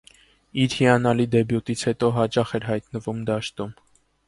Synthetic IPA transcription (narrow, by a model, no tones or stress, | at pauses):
iɾhiɑnɑlid̪ɛbjut̪it͡sʰhɛt̪ɔɦɑt͡ʃɑχɛɾɦɑjt̪nəvumd̪ɑʃt̪um